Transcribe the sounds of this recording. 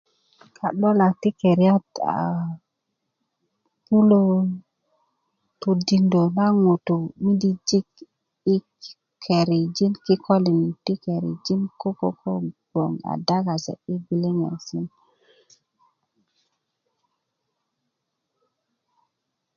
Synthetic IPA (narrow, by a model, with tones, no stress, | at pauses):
kʰa˨ɗo˦la˨k̚ti˦ke˨ɾi˦a˦ta̰˨ | pu˦lo˦ | tu˨di˨ndo˨na˦ŋo˨t̪u˨mi˦di˦d͡ʒi˦k | i˦ | kʰe˨ɾi˨d͡ʒi˦nki˦kʰo˦li˨ni˨ti˦ke˨ɾḭ˨d͡ʒi˦nko˦ko˦kʰo˦ɡ̥o˨ŋa̰˨da˦ka˨sḛ˨i˦ɡi˦li˦ŋḛ˨si˦n